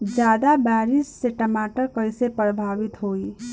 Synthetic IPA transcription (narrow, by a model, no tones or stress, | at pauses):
d͡ʒad̪abaɾisːeʈəmaʈəɾkəjsepɾəbʱaʋit̪ɦoi